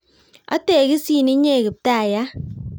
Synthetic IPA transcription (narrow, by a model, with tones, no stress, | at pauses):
ɔ̰˦te˦˨ki˦si˦˨ni˦ɲe˦˨kɨ˨p̚ta˦˨ja˦